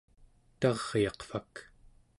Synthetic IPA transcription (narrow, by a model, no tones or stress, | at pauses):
t̪ɑʁjɑqfak